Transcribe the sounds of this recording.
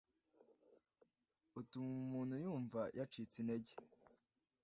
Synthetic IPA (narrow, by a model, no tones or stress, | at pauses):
utumuːnhujuːɱvajʔat͡ʃit͡sineɟe̥